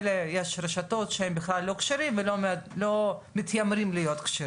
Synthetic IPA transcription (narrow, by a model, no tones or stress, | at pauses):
lejeʃɾeʃato̞t̪ʃehembeχlalːo̞kʃeɾimvelolomit̪jamɾimlijo̞t̪kʃe